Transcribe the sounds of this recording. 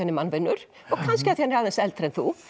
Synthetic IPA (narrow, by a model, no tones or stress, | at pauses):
anːɪmanvɪnːʏɾ̥ | ɔɣkʰanscɪaθihanɪɾaðɛnsɛlt̪ɾɛnθu